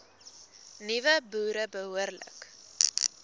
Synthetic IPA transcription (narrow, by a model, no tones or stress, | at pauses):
nivəbuːɾəbəɦuərlə̰k